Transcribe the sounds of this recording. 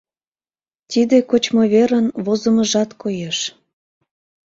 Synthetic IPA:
t̪id̪ekot͡ɕmoβeɾənβozəməʒɑt̪kojeʃ

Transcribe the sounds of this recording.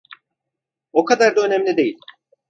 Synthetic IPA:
o̞kʰad̪aɾd̪aønɛmlʲid̪e̞jilʲ

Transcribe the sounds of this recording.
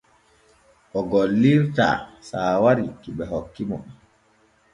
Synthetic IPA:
ʔɔɡɔlːiɾta̰saːwaɾikiɓɛɦɔkːimɔ̰

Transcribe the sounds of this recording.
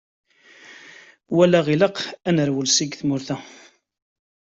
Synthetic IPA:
wælæʁiləqænəɾwəlsiɡθmʊɾθæ

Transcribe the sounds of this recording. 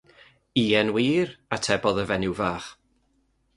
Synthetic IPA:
iːɛnwiːɾatʰɛbɔðəvɛnɪwvaːχ

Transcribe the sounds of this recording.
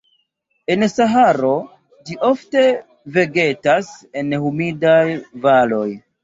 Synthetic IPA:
e̞nsaɦaɾo̞ | d͡ʒiʔo̞fte̞ | ve̞ɡe̞tase̞nhumidajvalo̞j

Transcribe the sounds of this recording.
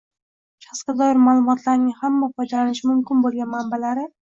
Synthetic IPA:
ʃɑ̥χsɡʲad̪ɒjɪɾmalˠʊmɒt̪ʰlaɾnɪŋhamːafɒjd̪alanɪʃɪmʊmkʲɪnbolˠɡʲanmambalaɾɪ

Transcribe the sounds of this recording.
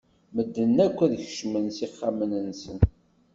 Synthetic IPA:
məd̪ːənːækʷːæðəçʃmənsiχːamənənsən

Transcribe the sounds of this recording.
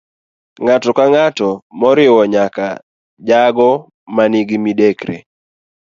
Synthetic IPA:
ŋatɔkaŋatɔmɔɾɪwɔɲaka | d͡ʒaɡɔ | maniɡimidekɾḛ

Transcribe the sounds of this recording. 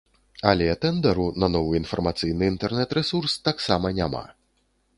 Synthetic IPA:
alʲɛt̪ɛnd̪ɛɾunɐnɔvɨinfɐrmat̪sɨjnɨint̪ɛrnɛt̪ɾɛsurst̪aksamɐnʲama̰

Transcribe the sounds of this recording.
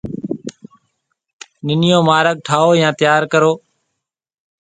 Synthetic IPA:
nɪnɪjoːmaːɾək̚ʈʰaːoːjãːt̪ɪjaːɾkəɾoː

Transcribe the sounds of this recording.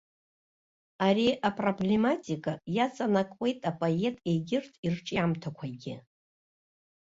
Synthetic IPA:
aɾiʔapʼro̞ble̞matʲʼikʼajat͡sʼanakʼwʷʼe̞jtʼapʼoe̞tʼejɡʲɪrtʰʼirʈ͡ʂʼiamtʰakʷʰaɡʲɪ

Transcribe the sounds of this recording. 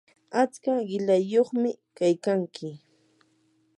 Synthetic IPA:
at͡skaɢɪlajːoχmɪkajkaŋkʰɪ

